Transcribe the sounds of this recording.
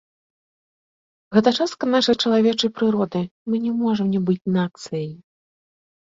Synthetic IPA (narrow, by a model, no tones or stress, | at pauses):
ɣɛt̪ɐt͡ʂast̪kɐnaʂɐjt͡ʂɐlˠavʲɛt͡ʂɐjpɾɨɾɔd̪ɨmɨnʲɛmɔʐɐmnʲɛbɨt͡sʲnak̪̚sɨjj